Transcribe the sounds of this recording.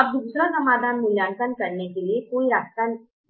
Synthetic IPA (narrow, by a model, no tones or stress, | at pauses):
ɐb̚d̪uːsɾasɐmaːd̪ʱaːnmɪljaːɳt̪ənkɐɾnekeliekoːiɾaːst̪an